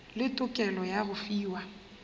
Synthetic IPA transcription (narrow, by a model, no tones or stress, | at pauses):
lɪtʼʊkʼɛlɔjaɣʊfiːwa